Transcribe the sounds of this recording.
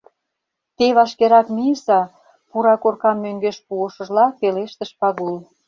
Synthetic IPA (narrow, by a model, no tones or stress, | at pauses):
t̪eβɑʃkeɾɑkmisɑ | puɾɑkorkɑmːøŋɡeʃpuəʃə̆ʒlɑfeleʃt̪əʃpɑɣul